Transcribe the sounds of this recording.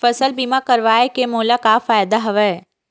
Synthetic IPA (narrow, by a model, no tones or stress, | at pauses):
fɐsəlbiːmakɐɾʋaːekemoːlakafaːjd̪aɦɐʋɛː